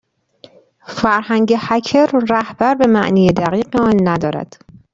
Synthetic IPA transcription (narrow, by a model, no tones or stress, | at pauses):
fæɾhæŋɟehæcʰeɾːæhb̥æɾbe̞mæʔniːjed̪æɣiːɢeɒːnːæd̪ɒːɾæ̰d̪̥